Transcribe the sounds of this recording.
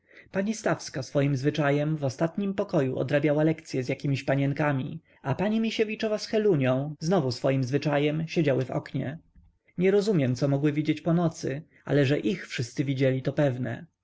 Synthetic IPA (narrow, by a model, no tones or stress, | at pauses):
paɲist̪afskasfɔjimzvɘt͡ʂajɛmvɔst̪at̪ɲimpɔkɔjuʔɔ̰d̪ɾabʲjawalɛkt̪sʲjɛzjakʲimʲiɕpaɲɛŋkamʲḭ | apaɲimʲiɕevʲit͡ʂɔvasxɛluɲɔ̃w̃znɔvusfɔjimzvɘt͡ʂajɛmɕed͡ʑawɘvɔ̰kɲɛ̰ | ɲɛɾɔzumʲjɛmt̪sɔmɔɡwɘvʲid͡ʑet͡ɕpɔnɔt̪sɘ̰ʔa̰lɛʐɛʔixfʂɘst̪sɘvʲid͡ʑɛlʲit̪ɔpɛvnɛ̰